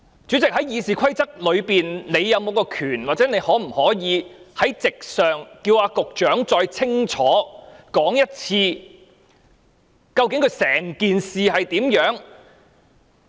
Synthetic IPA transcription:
t͡syː˨˥t͡sɪ˨k̚hɐ˨˥jjiː˨˧siː˨kʷʰɐ˥jt͡sɐ˥k̚lɵ˨˧ɥpiː˨˩nne˨˧jːɐ˨˧wmo˨wkɔː˧kʰyː˨˩nwaː˨t̚t͡sɛ˨˥ne˨˧jhɔː˨˥m̩˨˩hɔː˨˥jiː˨˧hɐ˨˥jt͡sɪ˨k̚sœː˨ŋkiː˧waː˨˧kʊ˨k̚t͡ʃœː˨˥ŋt͡ʃɔː˧jt͡sʰɪ˥ŋt͡ʃʰɔː˨˥kɔː˨˥ŋjɐ˥t̚t͡sʰiː˧ | kɐ˧wkɪ˧˥ŋkʰɵ˨˧sɛː˨˩ŋkiː˨nsiː˨hɐ˨jt̪iː˨˥mjœː˨˥ŋ

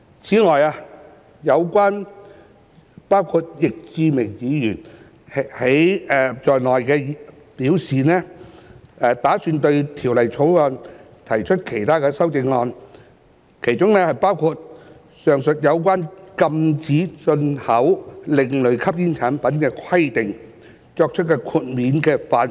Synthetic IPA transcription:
t͡sʰiː˨˥ŋɔː˨˩jaː˧ | jɐ˨˧wkʷaː˥n | paː˥wkʰu˧t̚jɪ˨k̚t͡siː˧mɪ˨˩ŋjiː˨˧jyː˨˩n | he˨˥jɛː˧t͡sɔː˨jnɔː˨jkɛː˧ | piː˨˥wsiː˨nɛː˥ | ɛː˧t̪aː˨˥syː˧nt̪ɵ˧ɥt̪ʰiː˨˩wlɐ˨˩jt͡sʰo˨˥wŋɔː˧n | t̪ʰɐ˨˩jt͡ʃʰɵ˥t̚kʰe˨˩jt̪ʰaː˥kɛː˧sɐ˥wt͡sɪ˧ŋŋɔː˧n | kʰe˨˩jt͡sʊ˥ŋnɛː˥hɐ˨˩jpaː˥wkʰuː˧t̚ | sœː˨˩ŋsɵ˨t̚jɐ˨˧wkʷaː˥nkɐ˧mt͡siː˨˥t͡sɵ˧nhɐ˨˥wlɪ˨˧ŋlɵ˨˧ɥkʰɐ˥p̚jiː˥nt͡ʃʰaː˨˥npɐ˨˥nkɛː˧kʰɐ˥jt̪ɪ˨ŋ | t͡sɔː˧k̚t͡ʃʰɵ˥t̚kɛː˧kʰuː˧t̚miː˨˥nkɛː˧faː˨˥n

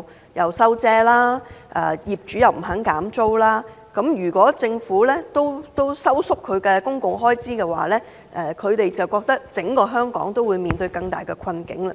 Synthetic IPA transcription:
jɐ˨wsɐ˥wt͡sɛː˥laː˥ʔɛ̰ː˨˩jiː˨p̚t͡ʃyː˨˥jɐ˨wm̩˨˩ɦɐ˨˥ŋkaː˨˥mt͡so˥wlaː˥ | kɐ˨˥mjyː˨˩kʷɔː˨˥t͡sɪ˧ŋfuː˨˥lɛː˥t̪o˥wt̪o˥wsɐ˥wsʊ˥kʰːɵ˨˧ɥkɛː˧kʊ˥ŋkʊ˨ŋɦɔː˥jt͡siː˥kɛː˧wa̰ː˨˩lɛː˥ | ʔɛ˨˩kʰɵ˨˧ɥt̪e˨jt͡sɐ˨˩wkɔː˧k̚t̪ɐ˥k̚t͡sɪ˨˥ŋkɔː˧ɦœː˥ŋkɔ̰ː˨˥ŋt̪o˥wuː˨˧jmiː˨nt̪ɵ˧ɥjkɐ˧ŋt̪a̰ː˨˩jkɛ˧kʰɐ˧nkɪ̰˨˥ŋlɐ˧

